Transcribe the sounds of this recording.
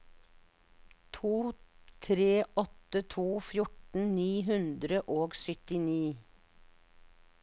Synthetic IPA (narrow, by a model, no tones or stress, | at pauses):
t̪ʰuːt̪ʰɾeːʔɔt̪ət̪ʰuːfjʊʈn̩niːɦʉnd̪ɾəʔoːɡsʏt̪ɪniː